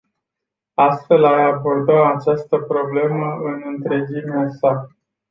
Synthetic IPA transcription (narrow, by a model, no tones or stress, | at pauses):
ast̪fe̞lajabo̞rd̪əmat͡ʃast̪əpɾo̞ble̞məɨnɨnt̪ɾe̞d͡ʒimeasa